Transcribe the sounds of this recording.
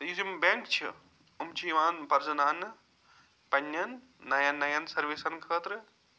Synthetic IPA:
t̪ɐjizimbẽːŋkt͡ʃʰi | umt͡ʃʰiʋaːnpɐɾzɐnaːnɨ | pɐnːjɐnː | ɐjɐnːɐjɐnsɐɾʋeːsɐnkʰəːt̪ɾɨ

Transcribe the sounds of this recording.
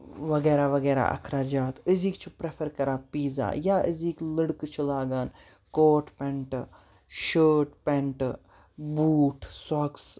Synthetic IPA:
ʋɐɡɛːɾaʋɐɡɛːɾa̰ʔɐ̰kʰɾaːd͡ʒaːt̪əziːkt͡ʃʰipɾepʰəɾkɐɾaːpiːza̰ːjaːʔəziːkləɽkt͡ʃʰilaːɡaːn | koːʈpɛ̃ɳʈ | ʃəːʈpẽɳʈ | buːʈʰsɔːks

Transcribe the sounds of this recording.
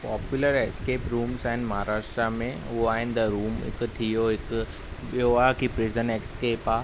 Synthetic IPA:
paːpjʊləɾeskeːpɾuːmsaːɪnmɐɦaːɾaːʃʈɾamẽ | ʊɦoaːɦɪnɪ̆d̪ɐɾuːmɪ̰kt̪ʰijoɪk | joakipɾɪzənekskeːpaː

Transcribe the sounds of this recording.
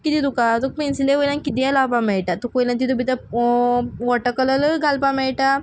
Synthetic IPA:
kit̪it̪ukat̪uk̚pinsileʋəjlankit̪ijalapãmɛɭʈat̪ukʋəjlant̪̬it̪ubit̪a | ʋɔʈəkələləɡʱalpamɛɭʈa

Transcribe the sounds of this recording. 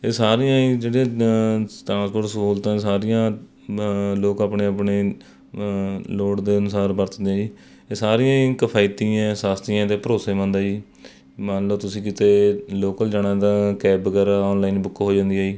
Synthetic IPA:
eːsaːɾijãːid͡ʒeːɽiãːst̪ɾãːnskʰoːɖskuːlt̪ãːsaːɾɪjãː | loːkaːpneːapneː | loːɽd̪eːənʊsaːɾbəɾt̪d̪ãːd͡ʒiː | eːsaːɾijãːkəpʰaːit̪iːãːsaːst̪iãːt̪eːpəɾoːseːmãːnd̪aːd͡ʒiː | mãnloːt̪ʊsĩːkit̪eːloːkəld͡ʒaːnãːd̪ãːkɛːbkəɾaɔːnlaːiːnbʊkːɦoːd͡ʒãːnd̪iːaːiː

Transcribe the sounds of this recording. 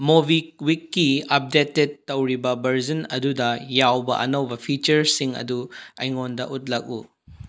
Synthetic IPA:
mobik̚wikːiɐp̚deted̚ːɐwɾibɐbʱɐɾd͡ʒɐnɐ̰dudɐjawbɐ̰ʔɐ̰nɐwbɐpʰit͡ʃɐɾsiŋɐ̰duɐ̰jŋondɐ̰ʔut̚lɐk̚ṵ

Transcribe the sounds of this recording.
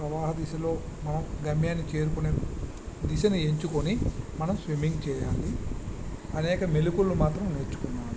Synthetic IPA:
pɾɐʋaːɦɐd̪isɐlo̞ː | mɐnɐmɡɐmjaːnːit͡ʃe̞ːɾukune | d̪isɐnue̞ɲt͡ʃukonimɐnɐmsʋimiŋɡt͡ʃɛːjaːli | ɐnɛːkɐmelukulːumaːt̪ɾɐmneːɾt͡ʃːu̥kunːaːmu

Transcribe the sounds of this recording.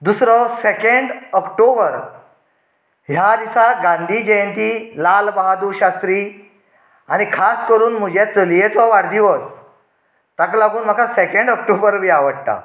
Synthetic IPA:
d̪usɾɔsekeɳɖɔkʈobəɾ | ɦjad̪isaɡãnd̪ʱiːd͡ʑəjənt̪iːlalbaɦad̪uɕast̪ɾiː | aɽ̃ikʰaskəɾuːnm̤ud͡ʑat͡səljet͡sɔʋaɽd̪iʋəs | t̪aklaɡuːnm̤akasekeɳɖɔk̚ʈobəɾmiaʋəɽt̪a̰

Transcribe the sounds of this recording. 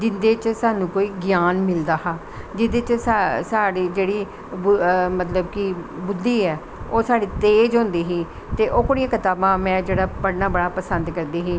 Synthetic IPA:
d͡ʒɪnd̪eːt͡ʃsaːnũːkoːiːɡɪjaːnmɪld̪aːɦaː | d͡ʒɪd̪eːt͡ʃsasaːɽiːd͡ʒeːɽiː | bmət̪ləbkibʊd̪ːiːɛː | oːsaːɽiːt̪eːd͡ʒɦõːnd̪iːɦiː | t̪eːʔoːkoɽijãːkɪt̪aːbãːmɛ̃ːd͡ʒeːɽaːpəɽnaːbəɽaːpəsənd̪kəɾd̪iːɦiː

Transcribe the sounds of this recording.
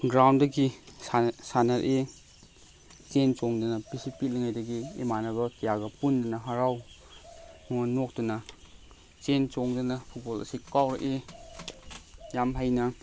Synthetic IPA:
ɡɾawndɐɡi | sanɐɾʔe | t͡ʃent͡ʃɔŋdɐnɐbisipiliŋajdɐɡiḛmanɐβɐkijaɡɐpundɐnɐɦaɾaw | muŋɐnɔk̚dɐnɐ | t͡ʃent͡ʃɔŋdɐnɐpʰut̚bɔlɐ̰sikawɾʔe | jamɦajnɐ

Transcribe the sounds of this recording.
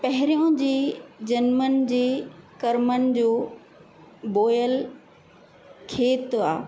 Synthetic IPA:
pɐɦɪɾijõd͡ʑiːd͡ʑɐnmən̆d͡ʑeːkɐɾmənɪ̆d͡ʑoː | boːjəl | kʰeːt̪aː

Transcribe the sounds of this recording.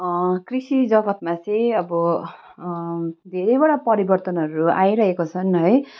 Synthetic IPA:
krisid͡zʌbʌt̪̚mat͡sʌj̃ʌbʌ | d̪ʱeɾʌjbʌɽapʌɾibʌrt̪ʌnɦʌɾua̰jɾʌɦekot͡sʰʌnɦʌj

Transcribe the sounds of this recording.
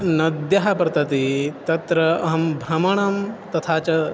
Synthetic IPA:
nɐd̪jɐɦɐpɾɐt̪ɐt̪it̪ɐt̪ɾɐɐɦɐmbʱɾɐmɐɳɐmt̪ɐt̪ʰaːt͡ʃɐ

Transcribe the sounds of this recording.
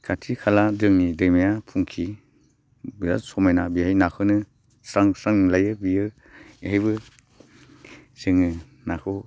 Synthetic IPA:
kʰatʰikʰaladɯŋnidɯjmajapʰuŋkʰi | biza̰sɔmajnabihajnakʰɯnɯ | saŋsɾaŋlajɯbijɯ | ihajbɯ | sɯŋɯ | nakʰɯ

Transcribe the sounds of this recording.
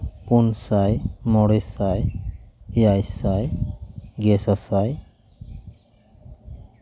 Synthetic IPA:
punsajmɔɽɛsaj | ejajsaj | ɡɛsasaj

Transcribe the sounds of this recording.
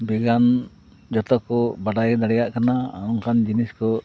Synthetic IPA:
bɛɡan | d͡ʒɔt̪ɔkɔbaɖajd̪aɽɛjaʔkanaa̰ɔŋkand͡ʒiniskɔ

